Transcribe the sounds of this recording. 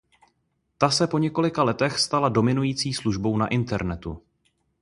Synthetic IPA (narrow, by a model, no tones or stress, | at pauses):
t̪asɛpo̞ɲɛko̞lɪkalɛt̪ɛxst̪alado̞mɪnujiːt͡siːsluʒbo̞wnaʔɪnt̪ɛɾnɛt̪u